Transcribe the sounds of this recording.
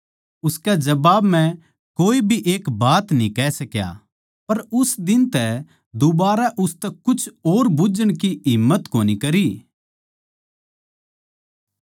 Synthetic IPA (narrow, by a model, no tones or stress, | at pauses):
ʊskɛd͡ʒɐbaːbmɛ̃ | koːibʱiʔeːkbaːt̪nĩkɛsɐkja̰ː | pɐɾʊsd̪ɪnt̪ɛ | d̪ʊbaːɾaʔʊst̪ɛkʊt͡ʃʰoːɾbʊd͡ʒəɽ̃kiɦɪmːət̪koːnikɐɾiː